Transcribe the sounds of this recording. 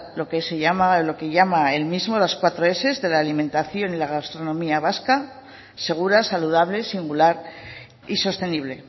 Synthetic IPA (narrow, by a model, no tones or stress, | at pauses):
lo̞keseʝamalo̞ke̞ʝamae̞lmizmo̞laskwat̪ɾo̞e̞se̞zðe̞laːlimẽ̞nt̪aθjo̞nilaɣast̪ɾo̞nõ̞miaβaska | se̞ɣ̞uɾasaluð̞aβle̞siŋɡulaɾ | iso̞st̪e̞niβ̞le̞